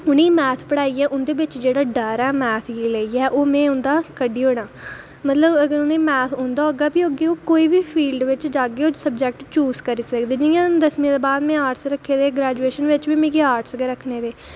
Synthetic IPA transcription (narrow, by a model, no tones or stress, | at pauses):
ʊnĩːmɛːt̪ʰpəɽaːiːɛːʔʊnd̪eːbɪt͡ʃd͡ʒeːɽaːɖəːɾɛːmɛːt̪ʰɡiːləiːɛːʔoːmɛ̃ːʊnd̪aːkəɖiːɦoːɽ̃aː | mət̪ləbəɡəɾʊnẽːmɛːt̪ʰõnd̪aːɦoːɡaːbiːoːɡioːkoːiːbiːpʰiːlɖʋɪt͡ʃd͡ʒaːɡeːoːsəb̚d͡ʒɛːk̚ʈt͡ʃuːzkəɾiːsəkd̪eːd͡ʒĩjãːd̪əsmĩːd̪eːbaːd̪mɛ̃ːaːɾʈsɾəkʰːeːd̪eːɡɾɛːd͡ʒueːʃənʋɪt͡ʃbiːmẽːkeːaːɾʈsɡeːɾəkʰːneːʋ̪eː